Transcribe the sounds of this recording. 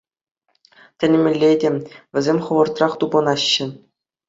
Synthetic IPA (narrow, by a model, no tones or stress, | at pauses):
tʲɘ̆n̆ʲmʲɘ̆lʲːedʲĕʋʲɘ̆zʲemʲχɤ̆ʋɤ̆rt̪rɑχt̪ubɤ̆nɑɕːɘ̆